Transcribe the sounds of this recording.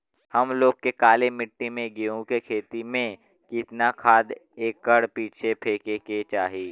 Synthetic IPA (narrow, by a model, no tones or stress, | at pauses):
həmloːɡ̚kːekaːlemɪʈːimẽɡiõkekʰeːt̪imẽ | kɪt̪nakʰaːd̪eːkːəɽpiːt͡ʃʰepʰeːkeːket͡ʃaːɦiː